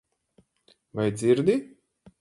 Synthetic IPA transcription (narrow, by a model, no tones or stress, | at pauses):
vajd̪zʲiɾd̪i